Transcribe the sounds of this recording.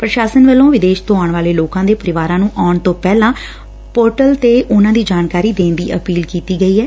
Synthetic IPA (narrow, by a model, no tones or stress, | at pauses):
pɾəʃaːsənʋəlːõːʋɪd̪eːʃt̪õːaːɳʋaːleːloːkãːd̪eːpəɾɪʋaːɾãːnũːʔaːʊɳt̪õːpɛːlãː | poːɾʈəlt̪eːʔʊnãːd̪iːd͡ʒaːnkaːɾiːd̪eːnd̪ḭːʔəpiːlkiːt̪iːɡəiːɦɛː